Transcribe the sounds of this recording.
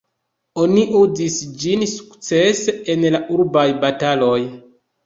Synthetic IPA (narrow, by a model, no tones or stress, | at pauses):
o̞niʔuzisd͡ʒinsu̥kt͡seseenlaʔuɾbajbatalo̞j